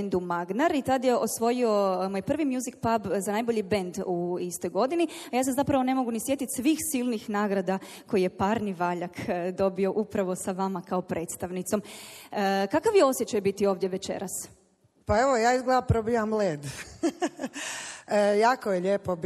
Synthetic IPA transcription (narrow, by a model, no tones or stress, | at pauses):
nd̪umaɡnaɾit̪ad̪je̞o̞sʋo̞jio̞mojpr̩ʋimjuzik̚pabzanajbo̞ʎibend̪uist̪o̞jɡo̞d̪iniajaːs̬amzapɾaʋone̞mo̞ɡunisje̞t̪it̪sʋixsilnixnaːɡɾad̪a | ko̞jije̞paːɾniʋaʎakd̪o̞bio̞ʔupɾaʋo̞saʋamakao̞pɾe̞t̪st̪aʋnit̪so̞m | kakaʋjeo̞sjet͡ɕajbit̪io̞ːʋd̪jeʋe̞t͡ɕḛɾas | paeʋojaːizɡlapɾobijamleːd̪ | jaːkojeʎeːpob